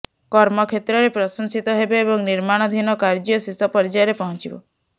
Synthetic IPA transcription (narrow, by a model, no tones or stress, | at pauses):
kɔɾmɔkʰet̪ɾɔɾepɾɔsɔnsit̪ɔɦebeːbɔŋniɾmaɽ̃ɔd̪ʱinɔkaɾd͡ʒiɔsisɔpɔɾd͡ʒajɔɾepɔɦɔ̃nt͡ʃibɔ̰